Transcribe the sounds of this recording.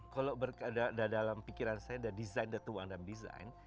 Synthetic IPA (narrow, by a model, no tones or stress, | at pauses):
kalobərkadadadalampikiɾansajadadizajndat̪uwaŋdamdiza̰jn